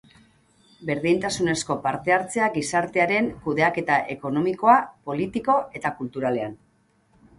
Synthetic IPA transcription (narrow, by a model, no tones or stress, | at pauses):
be̞ɾðint̪asune̞sko̞paɾt̪e̞aɾt͡se̞aɡisaɾt̪e̞aɾe̞ŋkuðe̞ake̞t̪aʔe̞ko̞no̞miko̞apo̞lit̪iko̞e̞t̪akult̪uɾale̞an